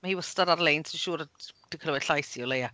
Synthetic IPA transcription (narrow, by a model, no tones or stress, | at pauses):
mahiːwəstadaɾlejntʰiʃuːɾad̥ikʰəlwɛ̥ɬajsiɔleja